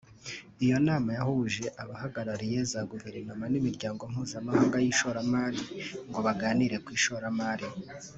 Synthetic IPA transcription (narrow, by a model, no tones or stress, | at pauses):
ijo̞naːmajahuʒe̞ʔaβahaɡaɾaɾije̞zaɡuviɾimamanimiɾɟaːŋɡom̥huːzamahaːŋɡajiːʃoɾamaːɾiŋɡo̞βaɡaːniɾe̞kwiːʃoɾamaːɾi